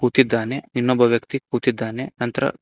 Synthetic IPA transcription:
kuːt̪id̪ːaːneinːoːbɐʋjɐkt̪ikuːt̪id̪ːaːnenɐnt̪ɐɾɐ̰

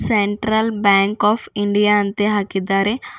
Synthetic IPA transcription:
seɳʈɾɐlbɛːŋkɔːfiɳɖijaɐnt̪eɦɐkid̪aːɾe

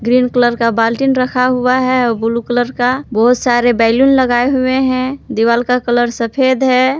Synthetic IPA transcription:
ɡɾiːnkələɾkabaːlʈinɾəkʰaɦʊaɦɛɔbulukələɾkabɔɦʊt̪saːɾebɛːɪlunləɡaːeɦueɦɛ̃d̪iʋaːlkakələɾsəpʰeːd̪ɦɛː

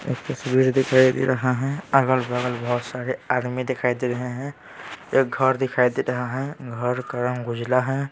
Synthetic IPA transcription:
ḛːk̚t̪əsbiɾd̪ɪkʰaid̪ḛɾəɦaɦɛ̃əɡəlbəɡəlbəɦʊt̪saɾead̪mid̪ɪkʰaid̪eɾəɦeɦɛ̃ | eːk̚ɡʱəɾd̪ɪkʰaid̪eɾəɦaɦɛ̃ɡʱəɾkəɾənɡʊd͡ʒlaɦɛ̃

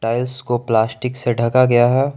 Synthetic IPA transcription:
ʈaːɪlskoplaːsʈɪkseɖʱɐkaɡɐjaɦɛː

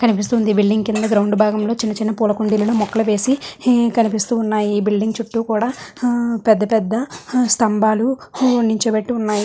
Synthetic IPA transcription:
kɐnipist̪und̪ibilɖiŋɡkind̪ɐɡɾɐwɳɖbʱaːɡɐmlo̞ːt͡ʃinːɐt͡ʃinːɐpuːlɐkuɳɖilɐluːmɔkːɐlɐʋe̞ːsikɐnipist̪uːnːaːjiːbilɖiŋɡt͡ʃuʈːuːkuːɽaːpɛd̪ːɐpɛd̪ːɐst̪ɐmbaːluniɲt͡ʃebɐʈːiunːaːji

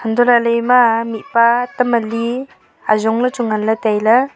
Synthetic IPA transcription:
həndɔlalɯjmamipatəməli | azɔŋlət͡ʃuŋanlɐtajla

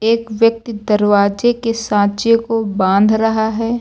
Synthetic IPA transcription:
eːkʋjək̚t̪id̪ɐɾwaːd͡ʒekesãːt͡ʃekobãːnd̪ʱɾɐɦaɦɛː

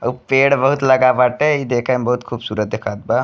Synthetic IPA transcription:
əpeːɽbəɦut̪lɐɡabaʈeid̪eːkʰambɐɦut̪kʰuːbsuːɾət̪̚d̪ekʰaːt̪̚ba

